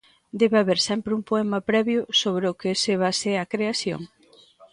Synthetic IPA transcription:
d̪ɛβeaβeɾsɛmpɾeumpoɛmɐpɾɛβjʊsoβ̞ɾeʊkeseβaseɐkɾeaθjo̰ŋ

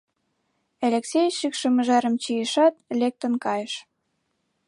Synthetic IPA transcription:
elʲeksʲejʃikʃə̆mə̆ʒæɾə̆mt͡ɕijəʃɑt̪lʲek̚t̪ə̆nkɑjəʃ

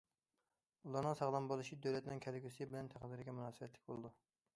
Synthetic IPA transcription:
ulˠɑɾnɨŋsɑʁlˠɑmbolˠɨʃid̪øwlɛt̪nɪŋkʲʰɛlɡʲysbɪlɛnt̪ʰæqd̪ɪɾɪɡʲɛmunɑːsɨbɛt̪ʰlɪ̥kʲbo̰lˠɨd̪u

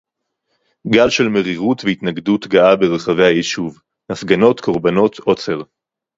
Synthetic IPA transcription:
ɡalʃe̞lmeʁiʁutveitnaɡdutɡaʔabeʁeχave̞jhajiʃuv | nafɡano̞tkʰo̞ʁbano̞t̪ʰʔo̞t͡seʁ

